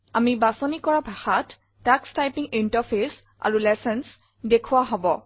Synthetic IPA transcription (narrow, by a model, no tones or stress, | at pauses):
amibasɔnikɔɹabʱaxatː | akstajpiŋintapʰes | a̰ɹulɛsɛns | dekʰuwaɦɔbɔ